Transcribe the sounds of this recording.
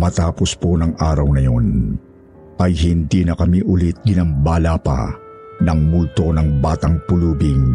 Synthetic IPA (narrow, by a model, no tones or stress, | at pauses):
mɐt̪aːposponɐŋʔaːɾɐwnɐjo̞n | ɐjɦɪnd̪iːnɐkɐmiʔʊlit̪̚ɡɪnɐmbaːlapɐ̰ | nɐŋmult̪o̞nɐŋbaːt̪ɐŋpʊluːbiŋ